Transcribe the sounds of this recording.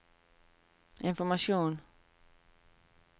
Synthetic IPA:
ɪnfɔɾmaʂjuːn

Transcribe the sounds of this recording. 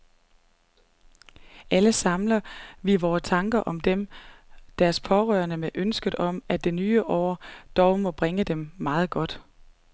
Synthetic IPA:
ʔæləsɑ̈mlɐʋiʋɒːst͡sʰɑ̈ŋɡ̥ɐʔɒ̽md̥em | d̥æɐspʰɒ̽ʁœːɐnəmeʔønsɡ̥əð̩ˠɒ̽mæd̥e̝nyːəʔɒ̰ːd̥ɒʊmɒ̽b̥ʁeŋəd̥emːɑ̈ːð̞̩ˠɡ̥ɒ̽d̥

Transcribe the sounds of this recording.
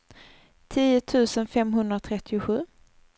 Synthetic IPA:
t̪ʰiːʊt̪ʰʉ̟ːsənfɛmɦɵnd̪ɾat̪ʰɾɛt̪ʰːɪʊɧʉ̟ː

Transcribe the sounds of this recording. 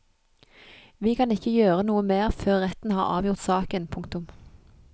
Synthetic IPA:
ʋiːkʰɑnɪçəjøːʁənuːəmeːʁføːʁʁɛt̪n̩hɑ̰ːʁɑ̰ːʋjʊʁt̪sɑːkənpʰʊŋkt̪ʊm

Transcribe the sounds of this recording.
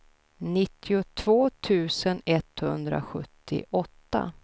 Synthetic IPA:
nɪt̪ʰːɪʊt̪ʰvoːt̪ʰʉ̟ːsənɛt̪hɵnd̪ɾa̰ɧɵ̰t̪ʰːɪ̰ʔɔt̪ːa̰

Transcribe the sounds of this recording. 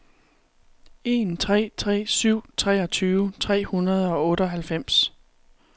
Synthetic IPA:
e̝nt͡sʰʁɛ̰ːt͡sʰʁɛ̰ːsyʊ̰t͡sʰʁɛ̰ːɒ̽t͡sʰyːʊət͡sʰʁɛ̰ːhunɐð̞ˠɒ̽ɔ̽ːɾəɒ̽ɦælfem̰s

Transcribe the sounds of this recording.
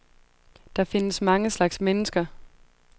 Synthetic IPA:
d̥ɑ̈fe̝nəsmɑ̈ŋəslɑ̈ɡ̥smenəsɡ̥ɐ

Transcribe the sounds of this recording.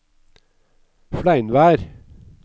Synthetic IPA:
fɽlæɪnʋæːɾ

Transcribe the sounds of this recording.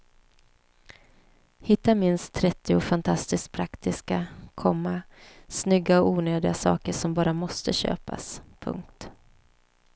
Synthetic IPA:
hɪt̪ːamɪnst̪ʰːɾɛt̪ːɪʊfant̪ʰast̪ɪskt̪̚pʰɾakt̪ɪskakʰɔmːasnʏɡːaɔuːnøːd̪ɪɡasɑ̰ːkəʂɔmbɑːɾamɔst̪əɕø̰ːpa̰spʰɵ̰ŋk̚t̪

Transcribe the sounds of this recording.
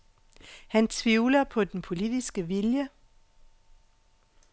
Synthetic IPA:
hænt͡sʰʋiʊlɐpʰɒ̽d̥enpʰo̝lidisɡ̥əʋiljə

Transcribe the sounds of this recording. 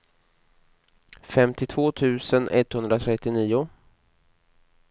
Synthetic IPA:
fɛmt̪ɪt̪ʰv̥oːt̪ʰʉ̟ːsənʔɛ̰t̪ːhɵnd̪ɾat̪ʰɾɛt̪ːɪniːʊ

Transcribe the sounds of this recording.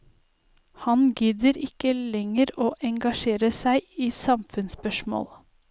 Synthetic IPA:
hɑnɡʏd̪əɾɪkəlɛŋəɾoːʔɛŋɡɑʃeːɾəsæɪiːsɑmfʉnspœʃmo̰ːl

